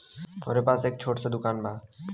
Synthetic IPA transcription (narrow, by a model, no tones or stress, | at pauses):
o̰ɾepasek̚t͡ɕʰoʈsʰed̪ukanba